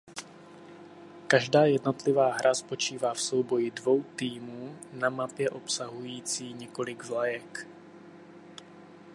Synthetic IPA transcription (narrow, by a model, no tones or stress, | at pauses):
kaʒdaːjɛdno̞t̪lɪvaːɦɾʔaspo̞t͡ʃiːvaːfso̞wbo̞jɪdvo̞wt̪iːmuːnamapjɛʔo̞psaɦujiːt͡siːɲɛko̞lɪɡzlajɛk